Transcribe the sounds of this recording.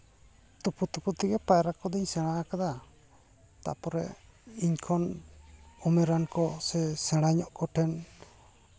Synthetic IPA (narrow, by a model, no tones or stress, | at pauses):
t̪upʰut̪uput̪iɡɛpajɾakɔd̪iɲsɛɽ̃akad̪a | t̪a̰ʔpɔɾɛ̰iɲkʰɔn | ɔmɛɾankɔsɛsɛɽ̃aɲɔʔkɔʈʰɛn